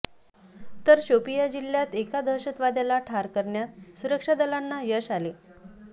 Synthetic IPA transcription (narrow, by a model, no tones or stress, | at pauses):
t̪əɾɕopijad͡ʑilːjat̪ekad̪ʱəɾɕət̪ʋad̪jalaʈʰaɾkəɾɳjasuɾəkʂad̪əlanːajəɕale